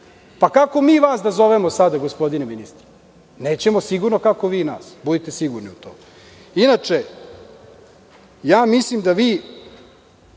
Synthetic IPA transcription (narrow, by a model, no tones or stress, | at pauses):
pakako̞miːʋaːsd̪azo̞ʋemo̞sad̪aɡospo̞d̪ineminist̪ɾi̥ | ne̞ːt͡ɕe̞mo̞siɡuɾnokako̞ʋiːnaːsbud̪et̪e̞siɡuɾniut̪oːm | inat͡ʂe | jaːmislimd̪aʋiː